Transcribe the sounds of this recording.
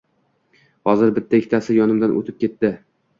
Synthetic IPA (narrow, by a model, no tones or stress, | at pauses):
hɒzɪɾbɪt̪ʰːaɪkʰʲt̪ʰasɪjɒnɪmd̪anʔo̰t̪ʰɪp̚kʲʰe̞t̪ːɪ